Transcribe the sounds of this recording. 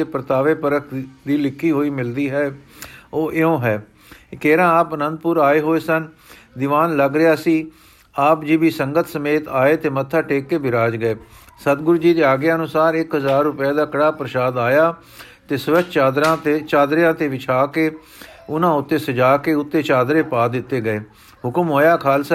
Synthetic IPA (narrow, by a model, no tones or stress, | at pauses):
eːpɾət̪aːʋeːpəɾəkʰd̪iːlɪkʰːiːɦoːiːmɪld̪iːɦɛːoːʔɪõːɦɛː | kɛːɾãːaːpənə̃nd̪̚pʊɾaːeːɦoːeːsən | d̪ɪʋaːnləɡɾejaːsiː | aːpd͡ʒɪbiːsəŋɡət̪ʰsəmeːt̪aːeːt̪eːmət̪ʰːaːʈeːkːeːbɪɾaːd͡ʒɡəeːsət̪ɡʊɾd͡ʒiːd̪eːaːɡjːənʊsaːɾɪkɦəzaːɾːʊpjaːd̪aːkəɽaːpɾəʃaːd̪aːjaː | t̪eːsʋət͡ʃaːd̪ɾãːt̪et͡ʃaːd̪ɾɪjãːt̪eːʋɪt͡ʃʰaːkeː | ʊnãːʊt̪ːeːsəd͡ʒaːkeːʊt̪ːeːt͡ʃaːd̪ɾeːpaːd̪ɪt̪ːeːɡəeː | ɦʊkəmɦoːjaːkʰaːls